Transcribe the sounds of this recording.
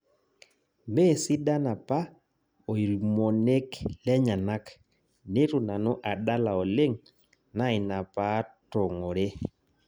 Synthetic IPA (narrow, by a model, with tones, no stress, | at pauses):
me˦˨si˦da˦na˨pa˦ | o˨i˨ɾi˨mo˨ne˦klɛ˦ɲa˨na˦k | ne˦tu˨na˨no˦ʔa˨ɗa˦la˨ɔ˨le˦ŋ | na˦i˨na˨pa˦tɔ˨ŋɔ˨ɾe˦